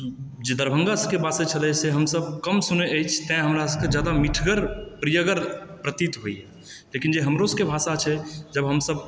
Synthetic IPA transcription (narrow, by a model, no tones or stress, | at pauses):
d͡ʒed̪əɾbʱə̃ŋɡasəkebasɛt͡ʃʰəlɛseɦəmsəb̚kəmsuneəjt͡ʃʰt̪ɛ̃ɦəmɾasəked͡ʒjad̪amiʈʰɡəɾpɾijəɡəɾpɾət̪it̪ɦoiɦɛ | lekind͡ʒeɦəmɾoskebʱasat͡ʃʰɛd͡ʒəbɦəmsəb